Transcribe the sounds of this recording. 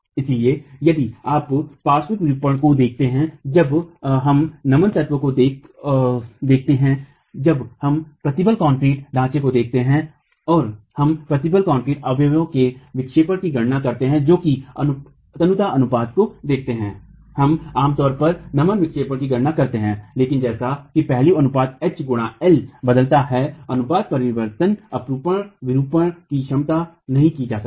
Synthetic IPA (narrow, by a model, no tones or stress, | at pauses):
ɪsliejɐd̪iaːppaːsʋɪkɾuːpəɽ̃kod̪eːk̚ʰt̪eɦɛ̃d͡ʒɐbɦɐmnɐmənt̪ɐt̪ʋəkod̪eː | d̪eːkʰt̪eɦɛ̃ | d͡ʒɐbhɐmpɾɐt̪ɪbəlkɔ̃ːɳʈɾiːʈɖʱãːt͡ʃekod̪eːk̚ʰt̪eɦɛ̃ | ɔːɾhɐmpɾɐt̪ɪbəlkɔ̃ːɳpɾiːʈɐbjəjõkeʋɪkʃeːpəɽkiɡɐɽnakɐɾt̪eɦɛ̃d͡ʒoːkiɐn | t̪ɐnʊt̪aʔɐnʊpaːd̪kod̪eːkʰt̪eɦɛ̃ː | hɐmaːmt̪ɔːɾpɐɾnɐmənʋɪkʃeːpəɽkiɡɐɽnakɐɾt̪eɦɛ̃ːleːkɪnd͡ʒɛːsakipɛɦliɐnʊpaːd̪̚ɛt͡ʃɡʊɽ̃aɛlbɐd̪əlt̪aɦɛɐnʊpaːd̪̚pɐɾɪʋəɾt̪ənɐpɾuːpəɽ̃ʋɪɾuːpəɽ̃kiʃɐmt̪a | nɐɦĩkid͡ʒaːsə̥